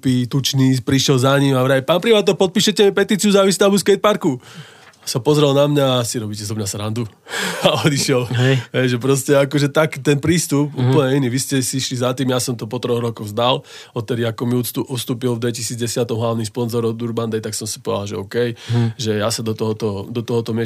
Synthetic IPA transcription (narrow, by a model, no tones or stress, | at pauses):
pit̪ut͡ʃnipɾiʃjɛlzaɲimaʋɾajpaːnpɾipat̪ːɔpɔt̪̚piːʃɛcɛmipɛt̪iːt͡siuzaʋist̪abuskɛjt̪̚paɾku | sapɔzɾɛlnamɲasiɾɔbiːcɛzɔmɲasɾand̪u | aɔd̪iʃɪɛlɦɛjʒɛpɾɔscɛakɔʒɛt̪akit̪ɛnpɾiːst̪upuːpl̩ɲɛiniʋiscɛsiʃlizat̪iːmjasɔmt̪ɔpɔt̪ɾɔɣɾɔkɔɣzd̪al | ɔt̪ːɛd̪iakɔmiuuʔust̪uːpilvd̪ʋɛcisiːd͡zɟɛsɪat̪ɔmɦlaʊnispɔnzɔɾɔd̪uɾband̪ɛjt̪aksɔmsi̥pɔdɛd̪alʒɛ̰ɔkɛjʒɛjasad̪ɔt̪ɔɦɔt̪ɔd̪ɔt̪ɔɦɔt̪ɔmɪɛ